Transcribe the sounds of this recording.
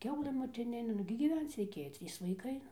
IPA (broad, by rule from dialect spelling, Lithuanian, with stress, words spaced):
ˈkʲɛʊlˠɘ moːtʲɪˈnʲɪnʲeː nʊɡʲɪ ɡʲiːˈʋʲɛnt͡s rʲɛɪˈkʲeːjoː ˈtʲrʲiːs ʋɐɪˈkɐɪ ˈnʊ